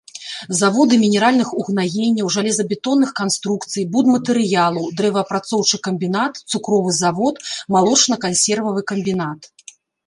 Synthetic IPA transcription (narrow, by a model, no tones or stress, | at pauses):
zavɔd̪ɨmʲinʲɛɾalʲnɨxuɣnaɣʲenʲːɐwʐalʲɛzɐbʲɛt̪ɔnːɨxkanst̪ɾukt̪sɨjbud̪mɐt̪ɨɾɨjalˠɐwd̪ɾɛvɐpɾat̪sɔwt͡ʂɨkɐmʲbʲinat̪t̪sukɾɔvɨzavɔt̪malˠɔt͡ʂnɐkansʲɛrvɐvɨkɐmʲbʲinat̪